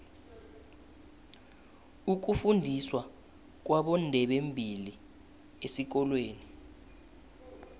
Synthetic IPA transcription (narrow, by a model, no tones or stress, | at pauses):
uk̬ufundʱiswa | k̬waɓɔndʱɛɓembʱili | esik̬ɔlweːni